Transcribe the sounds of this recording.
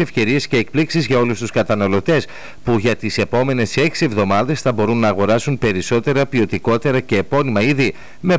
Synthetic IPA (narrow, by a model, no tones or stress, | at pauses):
efçe̞ɾie̞sce̞ːk̚pliksizʝɐo̞lust̪uskɐt̪ɐnɐlo̞t̪e̞s | puʝɐt̪ise̞po̞me̞ne̞se̞ksie̞vðo̞mɐðe̞sθɐbo̞ɾunːɐːɣo̞ɾɐsunpe̞ɾiso̞t̪e̞ɾɐpio̞t̪iko̞t̪e̞ɾɐce̞ːpo̞nimɐiði | me̞